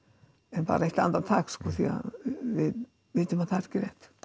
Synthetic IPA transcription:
ɛnpa̰ːɾaɛht̪a̰nt̪ant̪ʰakskɔːθia̰vɪð | vɪːt̪ɪmaθaɾ̥cɪɾɛht̪

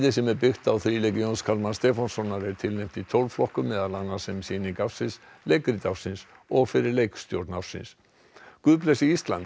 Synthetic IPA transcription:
ðɪs̬ɛmɛɾpɪxt̪awθɾiːlejcjonskʰalmanst̪ɛːfɔnsɔnːaɾɛɾt̪ʰɪlnejm̥t̪it̪ʰowlvflɔhkʏmːɛːðalanːasɛmsinikafsɪns | lejkɾit̪afsɪns | ɔɣfɪɾɪɾlejkst̪jowɾt̪nafsɪ̰ns | kʏðplɛsiist̪la̰nt̪

